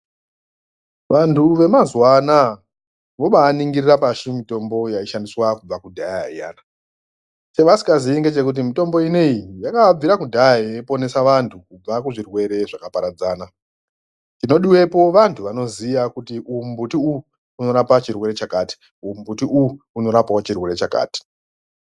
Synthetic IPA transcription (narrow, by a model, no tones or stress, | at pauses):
ʋantʰuʋe̞mazwana | ʋo̞ɓaːniŋɡirirapaʃimito̞mbo̞jaiʃandiswakub͡vakudʱaa̰ja̰ːna | t͡ʃeʋasi̥kaziiŋɡe̞t͡ʃe̞kut̬imito̞mbo̞ineijakab͡viɾakudʱajaiepo̞ne̞saʋantʰukub͡vakuʐirwe̞ɾe̞ʐakapaɾad͡zaːna | tino̞ɗiwe̞po̞ʋantʰuʋano̞zijakutiʔumbutiuuː | no̞ɾapat͡ʃirwe̞ɾe̞t͡ʃakaːti̥ | umbutiʔuu | uno̞ɾapawat͡ʃirwe̞ɾe̞t͡ʃaka̰ːti̥